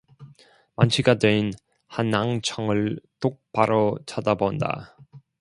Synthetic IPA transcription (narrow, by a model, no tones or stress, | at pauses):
mant͡ɕʰiɡadein | hanːaŋt͡ɕʰʌŋɯɭt͈ok̚paɾʌt͡ɕʰadabonda̰